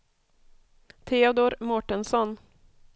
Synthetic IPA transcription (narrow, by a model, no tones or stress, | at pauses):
t̪ʰeːɔd̪oɾmɔʈənsɔn